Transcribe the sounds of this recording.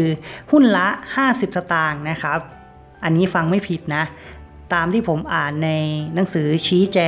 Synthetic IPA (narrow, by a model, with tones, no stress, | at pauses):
ɯː˧hu˥˩nla˦˥ʔhaː˥˩si˨˩p̚sa˧t̪aː˧ŋna˦˥kʰɾa˦˥p̚ | ʔa˧nːiː˦˥fa˧ŋma˥˩jpʰi˨˩t̪̚na˦˥ʔ | t̪aː˧mt̪ʰiː˥˩pʰo˩˦mʔaː˨˩nːa˧jna˩˦ŋsɯː˩˦t͡ɕʰiː˦˥t͡ɕɛː˧